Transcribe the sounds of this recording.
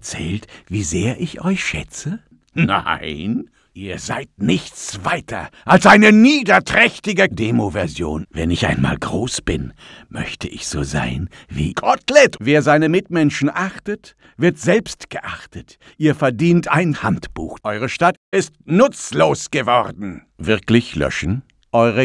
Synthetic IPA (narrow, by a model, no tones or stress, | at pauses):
t͡sɛ̰ːltv̥iːzeːɐʔɪçʔɔ̰ʏçʃɛ̰t͡sə | na̰ɪn | ʔiːɐza̰ɪt̚nɪçt͡sv̥aɪtʰɐ̰ʔalsʔaɪnəniːdɐtʁ̥ɛçtɪɡədeːmovɛɐzjo̰ːnvɛ̰nɪçʔa̰ɪnma̰ːlɡʁoːsb̥ɪn | mœ̰çtʰəʔɪçz̥o̰ːza̰ɪnvḭːɡ̥ɔtlɛtveːɐzaɪnəmɪtmɛnʃn̩ʔaχtət | v̥ɪɐtz̥ɛlpstɡ̥əʔaχtət | ʔiːɐfɛɐdiːntʔaɪnhantb̥ṵːxʔɔʏʁ̞əʃtatʔɪstnʊt͡sloːsɡ̥əvɔʁdn̩ | vɪɐklɪçlœ̰ʃn̩ | ʔɔʏʁə